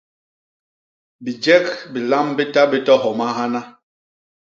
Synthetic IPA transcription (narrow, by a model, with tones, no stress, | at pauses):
bi˨d͡ʒɛ˦k̚bi˨la˦mbi˦ta˦bi˦tɔ˦ɦɔ˨ma˦ɦa˦na˦